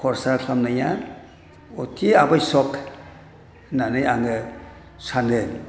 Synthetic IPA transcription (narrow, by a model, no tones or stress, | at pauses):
kʰɔɾsakʰamnajan | otʰiabajsɔk | nanajaŋə | sanen